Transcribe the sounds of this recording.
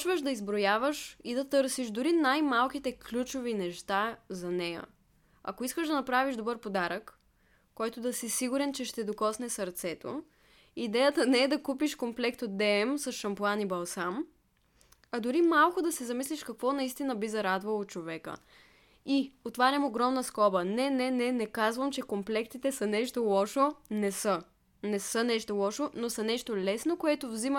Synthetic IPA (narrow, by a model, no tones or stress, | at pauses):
t͡ʃvəʃd̪ɐizbɾojavəʃid̪ɐt̪ɤɾsiʒd̪ʊɾinajmalˠkit̪ɛklʲut͡ʃovinɛʃt̪azɐnɛjə̰ | ɐ̰koiskəʒd̪ɐnɐpɾaviʒd̪obɤɾpod̪aɾəkː | ɔjt̪ʊd̪ɐsisiɡuɾɛnt͡ʃɛʃt̪ɛd̪okɔsnɛsɐɾt̪sɛt̪o̰ | id̪ɛjət̪ənɛɛd̪ɐkupiʃkomplɛkt̪od̪ɛɛmsɐsʃɐmplˠanibɐlˠsam | ɐd̪ʊɾimalˠkʊd̪ɐsɛzɐmislʲiʃkɐkvɔnɐist̪inəbizɐɾad̪vɐlˠot͡ʃovɛkə̰ | iot̪vaɾʲɐmoɡɾɔmnəskɔbənɛnɛnɛnɛkazvəmt͡ʃɛkomplɛkt̪it̪ɛsənɛʃt̪olˠɔʃonɛsə | nɛsənɛʃt̪olˠɔʃonosɐnɛʃt̪olɛsnokoɛt̪ovzimə